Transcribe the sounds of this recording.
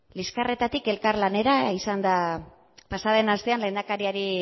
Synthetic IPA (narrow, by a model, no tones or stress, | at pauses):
liskare̞t̪at̪ike̞lkaɾlane̞ɾaisand̪a | pasaðe̞nast̪e̞anle̞nd̪akaɾiaɾi